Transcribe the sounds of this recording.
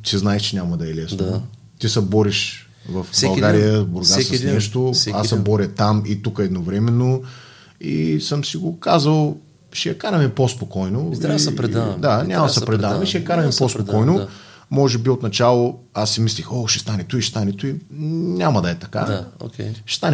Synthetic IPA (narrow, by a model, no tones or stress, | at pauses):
siznaɛʃt͡ʃɛnʲamɐd̪ɐɛlɛsno | t̪isɛbɔɾiʃ | vɐfbɐlˠɡaɾijəzboɾɡasɐnɛʃt̪oasːɛbɔɾʲət̪amit̪ukəɛd̪novɾɛmɛnːo | ḭsəmsiɡokazəlˠ | ʃɛjɐkaɾɐmɛpospokɔjnoɾɛd̪anʲamɐsɛpɾɛd̪anɐmɛʃɛjɐkaɾɐmɛpospokɔjno | mɔʒɛbiot̪nɐt͡ʃalˠo | asːɛmislixoʃɛ̥st̪anɛt̪uiʃɛ̥st̪anɛt̪uinʲamɐd̪ɐɛt̪ɐka̰okʲʃɛ̥st̪anɛ